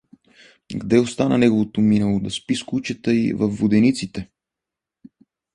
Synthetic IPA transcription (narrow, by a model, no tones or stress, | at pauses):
ɡd̪ɛost̪anənɛɡovot̪ominɛlˠod̪ɐspiskut͡ʃɛt̪əivɐfːod̪ɛnit̪sit̪ɛ